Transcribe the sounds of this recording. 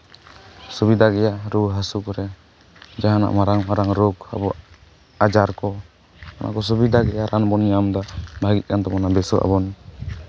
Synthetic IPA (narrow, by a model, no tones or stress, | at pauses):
subid̪aɡɛjaʔɾuɦasukɔɾɛ | d͡ʒaɦana̰ʔmaɾaŋmaɾaŋɾɔɡa̰bɔ | ad͡ʒaɾkɔ | ɔnʔa̰ʔkɔs̬ubid̪ʱaɡɛjaɾʔanbɔniamd̪abʱaɡit̪̚kant̪ɔmɔnabɛsɔʔa̰bɔn